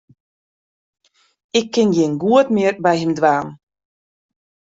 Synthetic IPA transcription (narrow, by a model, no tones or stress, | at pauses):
ɪkʰːɪnjeːnɡuətmɪərbɛjɦɪmdwaːm